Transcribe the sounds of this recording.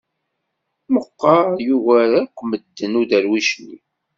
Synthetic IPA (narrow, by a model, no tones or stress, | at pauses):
məqːɑjuɣæɾakʷːməd̪ːənuðæɾwiʃnḭ